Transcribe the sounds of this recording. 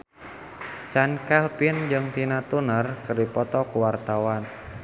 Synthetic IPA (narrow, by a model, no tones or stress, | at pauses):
t͡ʃankɛlpind͡ʒɨŋt̪inat̪unərkɨrdipɔt̪ɔkuwart̪awan